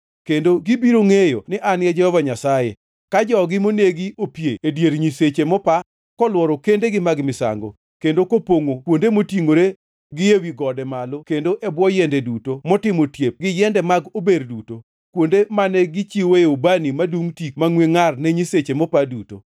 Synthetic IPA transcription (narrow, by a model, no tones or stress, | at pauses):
kendoɡibiɾoŋejo̰nɪʔanjɛd͡ʒɛhɔvaɲasajḛ | kad͡ʒɔɡɪmoneɡiopjeːdjeɾɲiset͡ʃemɔpa | kɔlwɔɾɔkendeɡɪmaɡmɪsa̰ŋɡo̰ | kendokopoŋokwondemotiŋoɾe | ɡɪjewiɡɔdɛmalɔkendoʔɛbwɔjɛndɛdutomɔtɪmotjep̚ɡɪjɛndɛmaɡoberduto | kwondemanɛɡɪt͡ʃiweobanimaduŋtik̚maŋweŋarnɛɲiset͡ʃemɔpaduto̰